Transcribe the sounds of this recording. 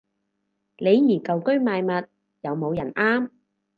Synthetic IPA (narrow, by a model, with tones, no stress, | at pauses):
le˨˧jːiː˨˩kɐ˨wkɵ˥ɥmaː˨˧jmɐ˨t̚ | jɐ˨˧wmo˨˧wjɐ˨˩nʔaː˥m